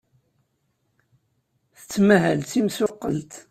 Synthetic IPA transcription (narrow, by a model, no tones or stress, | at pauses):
θə̥t͡sːmæɦælθimsʊqːəlt̪